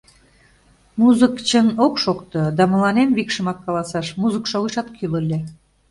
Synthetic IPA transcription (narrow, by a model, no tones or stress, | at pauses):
muzəkt͡ɕənokʃokt̪ɤ̆d̪ɑmɤ̆lˠɑnenβikʃə̆mɑkːɑlˠɑsɑʃmuzəkʃoɣɯʃɑt̪kʰylŏlʲːe